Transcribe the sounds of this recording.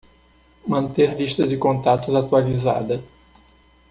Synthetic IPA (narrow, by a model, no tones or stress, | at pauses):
mɐ̃nt̪eɾliʃt̪ɐd͡ʒɪkõnt̪at̪ʊzat̪ualiza̰d̪ɐ